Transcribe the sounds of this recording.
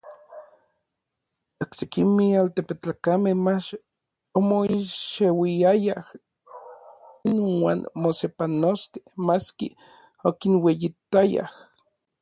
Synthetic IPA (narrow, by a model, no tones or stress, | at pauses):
oksekimealt̪epet͡ɬakamehmat͡ʃ | omoiʃewiajah | inwa̰ːnmosepanost̪i̥maskḭ | okinwejit̪aja̰h